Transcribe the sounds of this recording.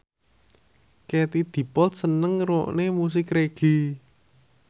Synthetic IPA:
ket̪id̪̥i̤pɔlt̪̚sənəŋɾoʔnemus̬ɪkɾeɡ̥i̤

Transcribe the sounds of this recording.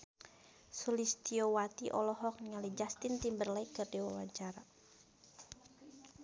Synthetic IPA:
sulist̪iowat̪iʔɔlɔɦɔk̚nŋalid͡ʒast̪ɪnt̪imbərlaikɨrdiwa̰waɲt͡ʃaɾa

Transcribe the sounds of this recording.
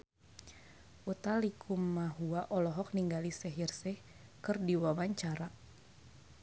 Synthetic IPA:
ʔut̪alikʰumːaɦuaʔɔlɔɦɔk̚niŋɡalisɛɦirsɛ | kɨrdiwawaɲt͡ʃaɾa

